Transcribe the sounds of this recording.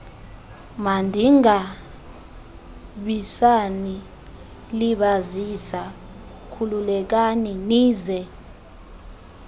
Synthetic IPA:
mandʱiŋa | ɓisani | liɓazisa | kʰululɛk̬aniniːzɛ

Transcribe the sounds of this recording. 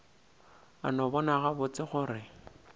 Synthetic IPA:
a̰nɔbɔnaɣabʊt͡sɪχʊːrɪ

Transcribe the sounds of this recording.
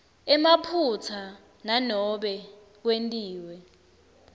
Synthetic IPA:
ɛmapʰut͡sʰa | nanɔɓɛ | k̬wentʼiːwɛ

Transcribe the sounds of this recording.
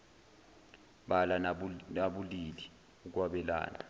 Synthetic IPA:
ɓalaaɓulili | uk̬waɓɛla̰ːna

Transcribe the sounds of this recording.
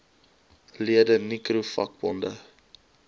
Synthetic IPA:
liədənikrufɐ̰k̚bɔndə

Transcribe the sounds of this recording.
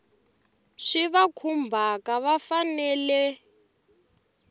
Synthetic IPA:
ʂiβakʰumbʱakaβafanɛːlɛ

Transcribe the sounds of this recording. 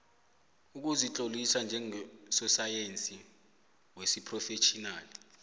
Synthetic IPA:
uk̬uzit͡ɬʼolisand͡ʒʱɛŋsɔsajent͡sʼi | wesipʰʼrɔfet͡ʃʰʼinaːli

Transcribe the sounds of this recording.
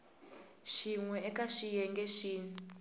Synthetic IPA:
ʃiŋwɛɛkʼaʃijɛŋɡɛʃiːni

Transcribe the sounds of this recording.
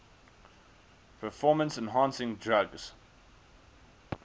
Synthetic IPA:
pʰəfɔːmə̃nsɛ̃nɦɑ̃nsɪ̃ŋdɹaɡz̥

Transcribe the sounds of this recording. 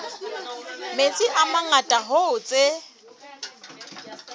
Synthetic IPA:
met͡sʼɪʔamaŋatʼaɦoʊt͡sʼe

